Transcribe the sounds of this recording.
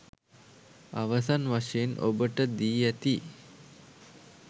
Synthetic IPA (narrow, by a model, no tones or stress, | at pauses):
aʋəsanʋaʂejenʔo̰bəʈəd̪iːæt̪i